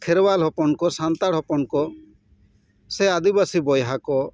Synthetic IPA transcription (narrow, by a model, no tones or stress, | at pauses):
kʰeɾbalɦɔpɔnkɔsant̪aɽ̤ɔpɔnkɔ | sead̪ibasibɔjɦakɔ